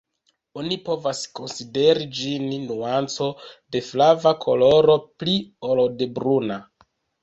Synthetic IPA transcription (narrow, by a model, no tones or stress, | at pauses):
o̞nipo̞vasko̞nside̞ɾid͡ʒinnuant͡so̞de̞flavakʰo̞lo̞ɾo̞pliolode̞bɾuna